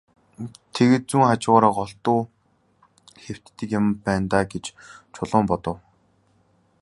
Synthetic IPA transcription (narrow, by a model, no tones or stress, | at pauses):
t̪ʰeɣĕːt̪̚t͡suŋχat͡ɕɪ̆ʁɔːɾaːqɔɬt̪ʊː | xew̥t̪ːɘ̆kjampæːnt̪aːɡet͡ɕt͡ɕʰʊɮʊːmpɔt̪ɞ̆w